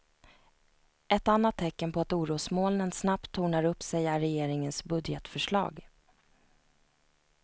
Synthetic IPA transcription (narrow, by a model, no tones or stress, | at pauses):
ʔɛt̪anːat̪ʰːɛkːənpʰɔat̪uːɾuːsmoːlnənsnap̚t̪ʰːuːɳaɾɵpsɛjæɾɛjeːɾɪŋənsbɵd̪jɛt̪fœʂɭɑ̰ːɡ